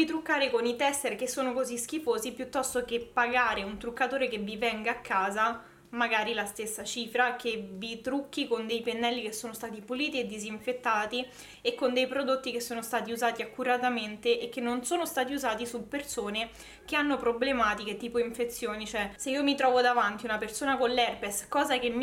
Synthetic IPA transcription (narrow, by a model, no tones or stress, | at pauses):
vit̪ɾukːaːɾekonit̪ɛst̪erk̟esːoːnokozisk̟ifoːzipjut̪ːɔst̪okepːaɡaːɾeunt̪ɾukːat̪oːɾekevivɛŋɡaːkʰːaːza | maɡaːɾilast̪esːat͡ʃiːfɾakevit̪ɾukːikond̪ejpenːɛlːikesːoːnost̪aːt̪ipuliːt̪ied̪ːiziɱfet̪ːaːt̪i | ekːond̪ejpɾod̪ot̪ːikesːoːnost̪aːt̪iuzaːt̪iakːuɾat̪ament̪eʔek̟ːenːonsoːnost̪aːt̪iuzaːt̪isupːersoːne | k̟eanːopɾoblemaːt̪iket̪iːpoiɱfet̪sːjoːnit͡ʃoɛseiːomit̪ɾɔːvod̪avant̪iunapersoːnakonlːɛrpeskɔːzakem